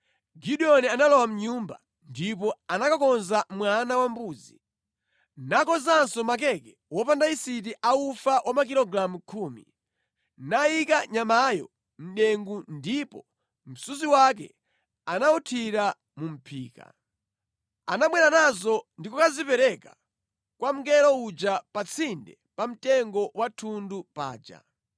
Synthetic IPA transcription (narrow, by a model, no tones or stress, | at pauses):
ɡiɗiɔnianalɔwam̩ɲumba̰ | ndipɔanakakɔnzamwanawambuːd͡zi | nakɔzansɔmak̬ɛkɛwɔpandaisit̬iʔaufawʔamak̬ilɔɡɾamukʰuːmḭ | naikaɲamajɔ̰ | m̩ɗɛŋɡundipɔ | m̩suziwak̬ɛ̰ | anautʰiɾa | mum̩pʰiːka̰ | anamwɛɾanazɔndikɔkazipɛɾɛka | kwam̩ɡɛɾɔud͡ʒapat͡sʰindɛ | pam̩tɛŋɡɔwatʰundupa̰ːd͡ʒa̰